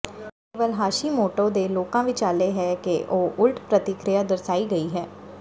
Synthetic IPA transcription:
keːʋəlɦaːʃiːmoːʈoːd̪eːloːkãːʋiːt͡ʃaːleːɦɛːkeʔoːʔʊlʈpɾət̪ɪkɾɪjaːd̪əɾsaːiːɡəiːɦɛː

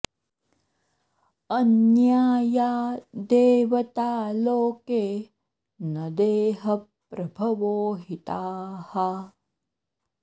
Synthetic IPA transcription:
ɐnjaːjaːd̪eːʋɐt̪aːloːkeː | nɐd̪eːɦɐpːɾɐbʱɐʋoːɦit̪aːha

